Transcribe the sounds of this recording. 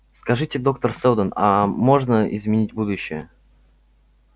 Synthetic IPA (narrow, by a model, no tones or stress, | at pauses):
skɐʐɨtʲɪd̪o̞k̚t̪ərsɛlˠd̪ənamo̞ʐnəɪ̰zmʲɪnʲitʲbud̪ʊɕːɪjə